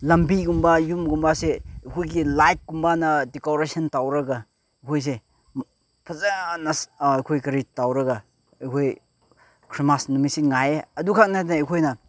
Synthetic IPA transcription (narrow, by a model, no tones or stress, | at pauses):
lɐmbiɡumbajumɡumbaseɐjkʰojɡilajk̚ɡumbanɐdekoɾesɐntawɾɐɡa | jkʰojs̬e | pʰɐzanɐsjkʰojkɐɾitawɾɐɡa | ɐjkʰoj | kʰɾimasnumisiŋajeɐdukʰak̚nadenːjkʰojnɐ